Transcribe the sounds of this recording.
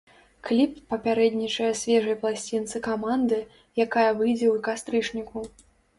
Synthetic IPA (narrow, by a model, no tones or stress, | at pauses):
klʲipːɐpʲaɾɛd̪ʲnʲit͡ʂɐjɛsʲvʲɛʐɐjplˠasʲt͡sʲint̪sɨkamand̪ɨ | jakajɐvɨjd͡zʲɛukast̪ɾɨt͡ʂnʲiku